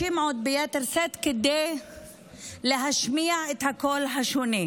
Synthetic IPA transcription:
imʕot̪̚bejet̪eɾset̪ked̪ej | leɦaʃmiaʕet̪hakolɦaʃoni

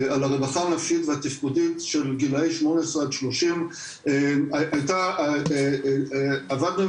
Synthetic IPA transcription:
alaʁebaχaʁnafʃiit̪veat̪ifkudit̪ʃelɡilaiʃmo̞nesʁead̪ʃloʃim | eaʔajt̪a | avad̪nu

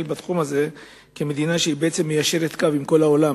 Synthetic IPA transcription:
lbat̪χumaze̞ | keme̞d̪inaʃeibeʔet͡se̞mːejaʃe̞ʁe̞t̪kavimko̞lao̞lam

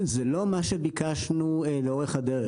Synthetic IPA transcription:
zelo̞maʃebikaʃnuleoʁeχhad̪eʁe

